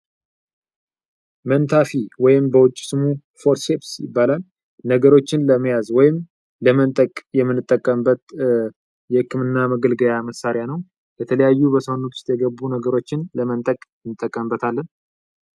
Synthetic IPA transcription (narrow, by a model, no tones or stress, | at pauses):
mənt̪ʰafiwɔjɪmbəwʊt͡ʃʼːɪ̥sɨmu | foɾt̪ʃepsjɪ̰bːalal | nəɡəɾo̞t͡ʃːɪnləməjazwɔjɪm | ləmənt̪ʼəkʼjɛmːɨnːɨt̪ʼːəkʼːəmbət̪ | jɛhɨkʰːɨmɨnːaməɡəlɡəjaməsːaɾjanəw | jɛt̪ʰələjajːubəsəhonut̪ʰʊ̥st̪jɛɡəbːunəɡəɾo̞t͡ʃːɪnləmənt̪ʼəkʼɨnːɨt̪ʼːəkʼːəmbət̪ʰalːən